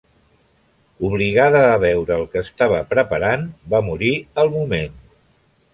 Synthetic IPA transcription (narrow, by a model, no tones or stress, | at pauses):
uβliɣ̞aðəːβ̞ɛwɾəːlˠkəːst̪aβəpɾəpəɾanbamuɾiəlˠmumen